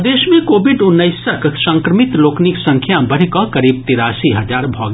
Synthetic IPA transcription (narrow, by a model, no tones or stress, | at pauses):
d̪eːʃmẽkoːbɪɖʊnːəɪsəksɐ̃ŋkɾəmɪt̪loːkniksɐ̃ŋkʰjabɐɽ̤kɔkɐɾiːb̚t̪ɪɾaːsiɦɐd͡ʒaːɾbʱɔːɡ